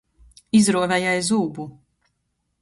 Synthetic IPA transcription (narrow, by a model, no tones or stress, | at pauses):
izɾuɔvɛjajzuːbu